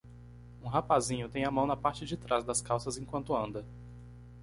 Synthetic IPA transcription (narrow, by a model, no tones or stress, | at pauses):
ũɦapazĩɲʊt̪ẽj̃ɐmɐ̃w̃nɐpaɾt͡ʃɪd͡ʒɪt̪ɾazd̪ɐskawsɐzẽkwɐ̃nt̪ʊɐ̃nd̪ɐ